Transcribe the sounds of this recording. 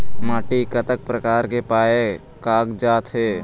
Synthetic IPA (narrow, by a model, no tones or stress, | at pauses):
maːʈikət̪ək̚pɾəkaːɾkepaːe | kaːɡd͡ʒaːt̪ɦeː